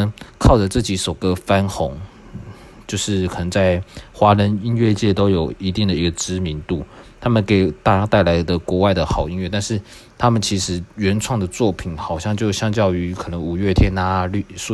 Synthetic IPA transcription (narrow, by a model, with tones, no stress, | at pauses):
kʰɑ˥˩ʊʈ͡ʂə˨˩t͡sɤ˥˩t͡ɕi˧˥so˨˩kə˥fa˥nxo˧˥ŋ | t͡ɕjo˥˧ʊʂɻ̩˥˩kʰɤ˨˩nə˧˥ŋt͡sa˥˩ɪxwa˦˥lə˧˥ni˥nɥɛ˥˧t͡ɕjɛ˥˩t̪o˥ʊjo˨˩ʊi˧˥t̪i˥˩ŋd̪ə˩i˧˥ɡə˨ʈ͡ʂɻ̩˥mi˧˥nt̪u˥˩t̪ʰa˥mə˨nke˨˩ɪt̪a˥˩˥t̪a˥˩ɪla˧˥ɪd̪ə˨kwɔ˧˥wa˥˩ɪd̪ə˩xɑ˨˩ʊi˥nɥɛ˥˧t̪a˥˧nʂɻ̩˥˩ | t̪ʰa˥mə˨nt͡ɕʰi˧˥ʂɻ̩˧˥ɥɛ˧˥nʈ͡ʂʰwɑ˥˩ŋd̪ə˩t͡swɔ˥˨˩pʰi˨˩˦nxɑ˨˩ʊɕjɑ˥˧ŋt͡ɕjo˥˧ʊɕjɑ˥ŋt͡ɕjɑ˥˩ʊy˧˥kʰɤ˨˩nə˧˦ŋu˨˩ɥɛ˥˩t̪ʰjɛ˥nːa˧˥ly˥˧˥